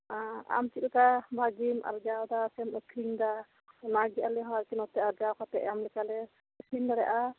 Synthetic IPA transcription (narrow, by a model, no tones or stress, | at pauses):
aa̰mt͡ʃit̪̚ɛkabʱaɡima̰ɾd͡ʒawd̪asɛməkʰɾiŋd̪a | naɡialɛɦɔaɾkɛnɔt̪ɛaɾd͡ʒawkɔt̪ɛʔjamlɛkalɛ | əkʰiŋd̪aɾɛʔa